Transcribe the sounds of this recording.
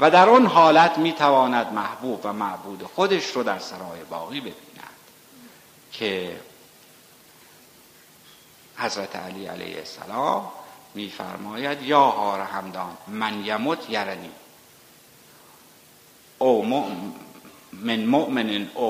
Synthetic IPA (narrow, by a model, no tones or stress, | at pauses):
væd̪æɾonɦɒːlæt̪ʰmiːt̪ʰævɒːnæd̪mæhbuːbvæmæʔbuːd̪exod̪eʃɾod̪æɾsæɾɒːjebɒːɣiːbe̞biːnæ̰d̪̥ | cʰe | hæzɾæt̪ʰḛæ̰liːæ̰lḛjhḛsæ̰lɒːmːiːfæ̰ɾmɒːjæd̪jɒːhɒːɾæhæmd̪ɒːnmænjæmot̪ʰjæɾæniː | omo | menmoʔmenenʔo